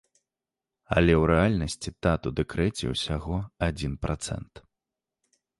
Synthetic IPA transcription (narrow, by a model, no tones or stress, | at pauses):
ɐ̰lʲɛwɾɛalʲnɐsʲt͡sʲit̪at̪ud̪ɛkɾɛt͡sʲɛ̰wsʲaɣɔad͡zʲinpɾat̪sɛ̰nt̪